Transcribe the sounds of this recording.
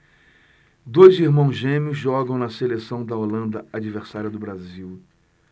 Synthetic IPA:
d̪ojziɾmɐ̃w̃zʒẽmiʊzʒɔɡɐ̃w̃nɐselesɐ̃w̃d̪ɐolɐ̃nd̪ɐad͡ʒiveɾsaɾiɐd̪ʊbɾaziw

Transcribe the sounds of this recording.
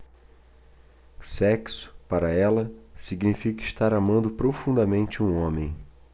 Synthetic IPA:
sɛksʊ̥paɾɐɛlɐsiɡnifikɐɪʃt̪aɾamɐ̃nd̪ʊpɾofũnd̪ɐmẽnt͡ʃɪũõmẽj̃

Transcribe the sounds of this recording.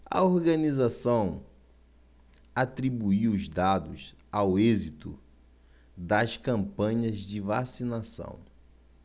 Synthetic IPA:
ɐ̰oɾɡɐnizasɐ̃w̃ | at̪ɾibuiwʊzd̪ad̪ʊsawezit̪ʊ̰ | d̪ɐskɐ̃mpɐ̃ɲɐzd͡ʒɪvasinasɐ̰̃w̃

